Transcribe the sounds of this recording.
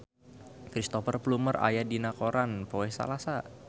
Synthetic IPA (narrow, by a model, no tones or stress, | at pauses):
kɾist̪ofərpluməra̰jadinakoɾanpoɛsa̰lasa